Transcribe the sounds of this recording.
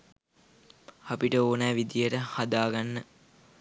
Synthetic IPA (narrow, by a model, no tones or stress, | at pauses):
apiʈəoːnæːʋid̪ijəʈəhad̪aːɡanːə